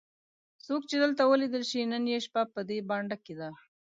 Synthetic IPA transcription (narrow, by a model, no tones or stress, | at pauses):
sok̚t͡ʃed̪əlt̪awəlid̪əlʃinənjeʃpapəd̪ebɑɳɖaked̪a